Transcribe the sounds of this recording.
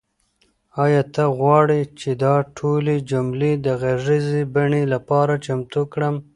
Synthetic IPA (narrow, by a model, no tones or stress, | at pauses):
ɑjɑt̪aɣwɑɽit͡ʃed̪ɑʈʰoled͡ʒʊmled̪əɣaʐizebaɳelapɑɾat͡ʃamt̪ukɽəm